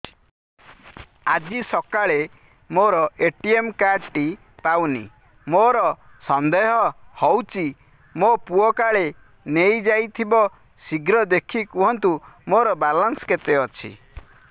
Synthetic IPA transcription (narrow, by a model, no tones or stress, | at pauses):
ad͡ʒisɔkaɭe | moɾɔeʈiemkaɾʈi | pawnḭ | moɾɔ | sɔnd̪eɦɔhɔwt͡ʃʰi | mopuɔkaɭe | nejd͡ʒajt̪ʰibɔ | siɡɾɔd̪ekʰikuɦɔnt̪umoɾɔbalɔnsket̪eɔt͡ʃʰḭ